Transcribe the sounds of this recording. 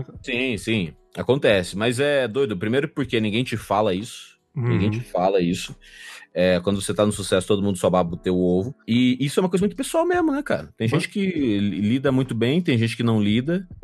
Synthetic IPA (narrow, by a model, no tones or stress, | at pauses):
sĩsĩ | akõnt̪ɛsɪmɐzɛd̪ojd̪ʊpɾimejɾʊpoɾkenĩɡẽj̃t͡ʃɪfalɐisʊ̥ʊ̥ | nĩɡẽj̃t͡ʃɪfalɐisʊɛkwɐ̃nd̪ʊvoset̪anʊsusɛsʊt̪od̪ʊmũd̪ʊsɔbabʊt̪ewʊovʊɪisʊɛũɐkojzɐmũt̪ʊpesuawmezmʊnɛka̰ɾɐt̪ẽj̃ʒẽt͡ʃɪ̥kɪlid̪ɐmũj̃t̪ʊbẽj̃t̪ẽj̃ʒẽnt͡ʃɪ̥kɪnɐ̃w̃lid̪ɐ